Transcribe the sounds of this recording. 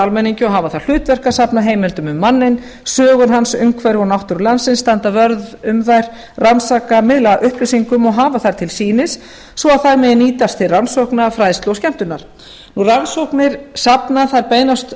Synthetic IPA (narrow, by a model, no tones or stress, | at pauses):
almɛnːiɲcʏɔɦaːvaθaɾ̥l̥ʏːt̪vɛr̥kasapnaɦeːjmɛlt̪ʏmʏmːanːɪn | sœːɣʏnɦansʏŋkʰvɛɾɪɣɔnawht̪ʏɾlansɪnst̪ant̪avœɾðʏmðajɾ̥ | ransaːkamɪðlaʔʏhplesiŋkʏmɔɣɦaːvaθaɾ̥t̪ʰɪlsiːnɪsː | vɔaðθajɾmɛðniːt̪ast̪ʰɪlransɔwhknafɾajðst̪lowscɛm̥t̪ʏnaɾ̥ | nuransɔhknɪɾ̥sapnaθaɾpeːjnast̪